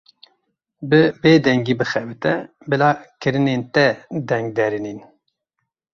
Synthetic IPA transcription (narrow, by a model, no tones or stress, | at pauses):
bɨbeːd̪ɛŋɡiːbɨxɛbɨt̪ɛ | bɨlaːkɨɾɨneːnt̪ɛd̪ɛŋɡ̚d̪ɛɾɨniːn